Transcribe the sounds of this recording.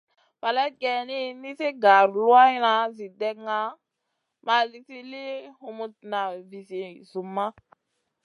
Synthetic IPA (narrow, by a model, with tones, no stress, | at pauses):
pa˨lɛ˦t̚kɛ˨ni˦ni˦se˦ɡa˨ɾlu˦a˦i˦na˦zi˨dɛ˦kŋa˦ | ma˨li˨si˦li˦hu˨mu˨t̚na˨vi˨si˨zu˨mːa˦